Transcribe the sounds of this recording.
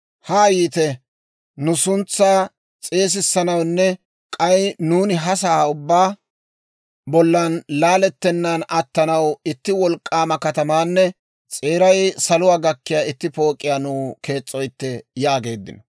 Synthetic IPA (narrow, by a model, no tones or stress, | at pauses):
haːjiːt̪ɛ | nʊsʊnt͡sːaː | t͡sʼe̞ːs̬ɪsːɐnɐwnːɛ | kʼɐjnuːnɪɦɐs̬aːʊbːaː | bɔlːɐnlaːlɛt̪ːɛnːɐnɐt̪ːɐnɐwɪt̪ːɪwɔlkʼːaːmɐkɐt̪ɐmaːnːɛ | t͡sʼe̞ːɾɐjsɐlʊwaːɡɐkːɪjaːɪt̪ːɪpo̞ːkʼːɪjaːnuːke̞ːt͡sʼːɔjt̪ːɛjaːɡe̞ːd̪ːɪ̰nɔ